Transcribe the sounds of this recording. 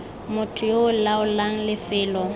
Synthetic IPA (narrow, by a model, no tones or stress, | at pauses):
mʊtʰʊjoʊlaʊlaŋ̩lɪfɪːlɔ